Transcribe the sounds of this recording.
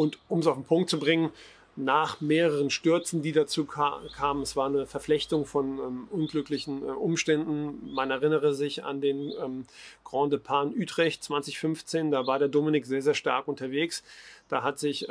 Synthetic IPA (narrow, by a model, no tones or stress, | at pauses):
ʔʊntʔʊmɛs̬aʊfn̩pʰʊŋkt̚t͡subʁɪŋən | naːχmeːʁəʁ̞ənʃtʏɐt͡sn̩diːdat͡suːkʰaːmənɛsv̥aːɐnəfɛɐflɛçtʊŋfɔnɛmʔʊnɡlʏklɪçn̩ʔʊmʃtɛndn̩manɛɐʁɪnəʁəzɪça̰ndeːnɛmɡ̥ʁɔ̃ːndəpʰaːnʔyːtʁ̥ɛçtt͡sv̥ansɪçfʏnft͡seːndaːvaːɐɾeːɐdoːmɪnɪkz̥eːɐzeːɐʃta̰ɐkʔʊntɐveːksd̥aːɦatz̥ɪç